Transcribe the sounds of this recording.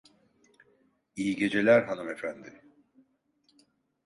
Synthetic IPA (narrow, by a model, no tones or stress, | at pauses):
ijiɟe̞d͡ʒe̞lʲæɾɦanume̞fænd̪ɪ